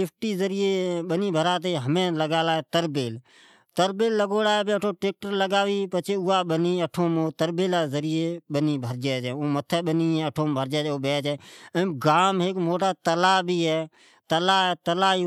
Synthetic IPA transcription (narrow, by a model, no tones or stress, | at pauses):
ɪpʰʈiːzəɾijeːɓəniːbʱəɾaːt̪̬eːɦəmẽːləɡaːlaːɦɛːt̪əɾbeːl | t̪əɾbeːlːəɡoːɽaːɛbeːəʈʰoːʈeːk̚ʈəɾləɡaːʋiːpət͡ʃʰeːʊaːɓəniːəʈʰoːmoːt̪əɾbeːlaːzəɾɪjeːɓəniːbʱəɾd͡ʒɛːd͡ʒɛ̃ːõːmət̪ʰəːɓəniːɛ̃ːəʈʰoːmbʱəɾd͡ʒɛːd͡ʒoːɓɛːd͡ʒɛːəɡaːmɦekmoːʈaːt̪əlaːbʱiːɦɛː | t̪əlaːɦɛːt̪əlaːi